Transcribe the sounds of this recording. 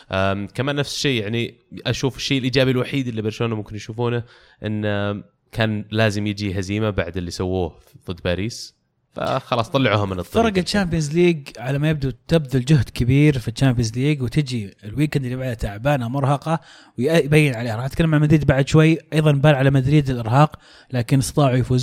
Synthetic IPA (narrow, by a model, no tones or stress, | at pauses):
ʔakamaːnːafsʃeːjaʕniʔaʃuːfɪ̥ʃːeːɪlʔiːd͡ʒaːbilwaħiːd̪ɪlːibɪɾˤʃuːnamʊmkɪnjʃuːfuːna | ʔɪnː | kʰaːnlaːzɪmjɪd͡ʒiɦaziːmabaʕd̪ɪlːisawːuːh | ðˤɨd̪ːbaːɾiːs | fa̰xɑlɑːsˤt̪ˤɑlːɑʕuːhamɪnɨt̪ˤːɑɾˤɑɡat͡ʃːaːmpjɪnzliːɡʕalamajɪb̚d̪ut̪ɪbd̪ʊld͡ʒʊɦd̪kɪbiːɾfit͡ʃːaːmpiɪnzliːɡwt̪ɪd͡ʒiɪlwiːkand̪ɪlːibaʕd̪at̪aʕbaːnamʊɾˤhɑqɑ | wjjbajːɪnʕaleːhɾˤɑːħat̪kalːamʕaʕlmad̪ɾiːd̪̚baʕd̪ʃwajːʔɑjðˤɑnbaːlʕalamad̪ɾiːd̪ɪlʔɪɾɦɑːq | laːkɪnɪst̪ɑt̪ˤɑːʕujfuːz